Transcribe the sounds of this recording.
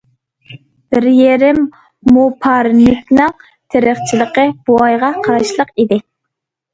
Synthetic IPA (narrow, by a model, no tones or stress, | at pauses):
b̥ɪɾjeɾɪmː | upʰɑɾnɪkʲnɨŋ | t̪ʰeɾəχt͡ʃʰilˠəqəb̥oɑjʁɑqʰɑɾɑʃlˠəqid̪ɪ